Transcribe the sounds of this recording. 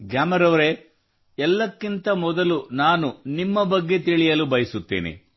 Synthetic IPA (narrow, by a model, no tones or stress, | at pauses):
ɡjaːmɐɾɐʋɐɾe̞ | ɛlːɐkːint̪ɐmɔd̪ɐlunaːnunimːɐbɐɡːe̞t̪iɭijɐlubɐjɐsut̪ːḛːnḭ